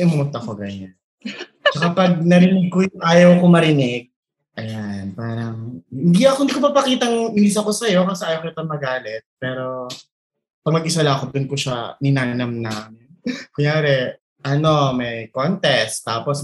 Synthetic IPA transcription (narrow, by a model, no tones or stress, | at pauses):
ʔʊmʊmʊnt̪ɐkoɡɐɲan | t͡ʃɐkapɐɡ̚nɐɾɪnɪɡ̚kojʊŋʔaːjɐwkomɐɾɪnɛɡ̚ | ʔɐjanpaːɾɐŋhɪnd̪iɐkohɪnd̪ikopɐpɐkiːt̪ɐŋɪiːs̬ɐko̞sɐjo̞kɐsɛʔaːjɐwkkːt̪ɐŋmɐɡaːlɛt̪̚pɛːɾo̞ | pɐɡ̚mɐɡʔɪsɐlakod̪ʊnkoʃanɪnaːnɐmnaːmɪnmɐŋjaːɾɛ | ʔɐno̞mɛjkont̪ɛst̪ːaːpos